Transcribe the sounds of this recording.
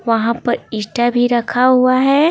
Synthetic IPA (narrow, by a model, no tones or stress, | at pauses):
ʋɐɦãpɐɾiːʈabʱiɾɐkʰaɦʊaɦɛː